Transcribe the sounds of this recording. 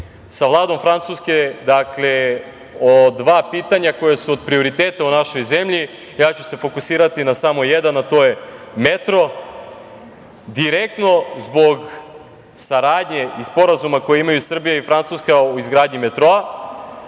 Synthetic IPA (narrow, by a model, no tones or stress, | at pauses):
saʋlˠaːd̪o̞mfɾant̪suːske̞d̪akle̞ | od̪ʋaːpiːt̪aɲako̞jesuod̪pɾio̞ɾit̪eːt̪aunaʃo̞jzemʎi | jaːt͡ɕuse̞fo̞kusiːɾat̪inasamo̞jed̪anːat̪o̞jemet̪ɾo̞ | d̪iɾek̚t̪no̞zbo̞ɡ | saɾaːd̪ɲe̞ispo̞ɾazumako̞jeimajusr̩bijaifɾant̪suːskauizɡɾaːd̪ɲimet̪ɾoa